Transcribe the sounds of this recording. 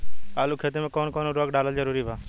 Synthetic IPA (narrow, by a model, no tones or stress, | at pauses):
aːluːkʰet̪emẽːkoːnkoːnoɾoːɡɖaːləld͡ʒəɾuːɾiːbaː